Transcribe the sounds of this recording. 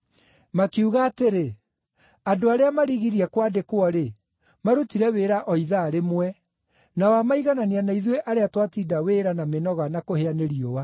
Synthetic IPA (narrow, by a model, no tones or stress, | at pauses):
makiuɣaːteɾe | adoaɾeamaɾiɣiɾiɛkwadekwɔɾe | maɾutiɾɛweːɾaʔɔiðaɾemwɛ | nawamaiɣananeanaiðweʔaɾeatwatidaweɾanamenɔɣanakoheaneɾiowa